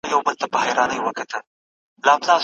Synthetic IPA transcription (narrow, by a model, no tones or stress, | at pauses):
jawbəlt̪abahajɾɑnəjwəkat̪ʰəl | lɑbzɑz